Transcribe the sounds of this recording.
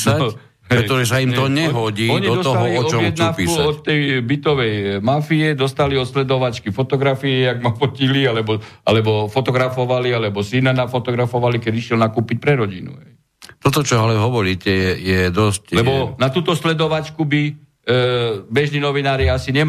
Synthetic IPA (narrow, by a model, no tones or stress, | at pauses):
sa | ɾɛt̪ɔʒɛsaimt̪ɔɲɛɦɔɟiːɔdɲiɔɔsɔt̪aɦɔliɔɔɔjmɛd̪npisuaɔt̪ːɛjbit̪ɔʋɛjmafiɛd̪ɔst̪aliɔt̪slɛd̪ɔʋat͡ʃkifɔt̪ɔɡɾafiɛaɡmafɔcilialɛbɔʔa̰lɛbɔfɔt̪ɔɡɾafɔʋalialɛbɔsinanafɔt̪ɔɡɾafɔʋalikɛd̪iʃjɛlnakuːpic̚ʲpɾɛɾɔɟinṵɦɛj | t̪ɔt̪ɔt͡ʃɔalɛɦɔʋɔɾiːcɛjɛjɛd̪ɔsclɛbɔnat̪uːt̪ɔslɛd̪ɔʋat͡ʃkubi | bɛʒniːnɔʋinaːɾiasiɲɛ